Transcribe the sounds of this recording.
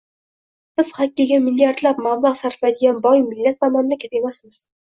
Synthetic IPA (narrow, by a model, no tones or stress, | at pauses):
b̥ɪz̥χakʲːiɡʲamɪljaɾd̪lapmablˠɑqsaɾflajd̪ɪɡʲanbɒjmɪlːat̪̚mamannɪkʲʰat̪ʰemasmɪz̥